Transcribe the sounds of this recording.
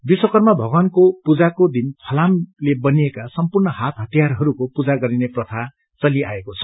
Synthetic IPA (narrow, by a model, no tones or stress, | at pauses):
biswʌkʌrmabʱʌɡʌnkopud͡zakod̪inpʰʌlamlebʌniekasʌmpurnʌhat̪ɦʌt̪ijarɦʌɾukopud͡zaɡʌɾineprʌt̪ʰa | t͡sʌlia̰ekot͡sʰʌ̥